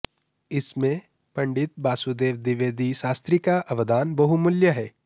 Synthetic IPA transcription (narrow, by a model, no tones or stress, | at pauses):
ɪsmẽ | pɐ̃ɳɖɪt̪̚baːsud̪eːʋd̪ɪʋeːd̪iʃaːst̪ɾikaʔɐʋəd̪aːnbɐɦumʊljəɦɛː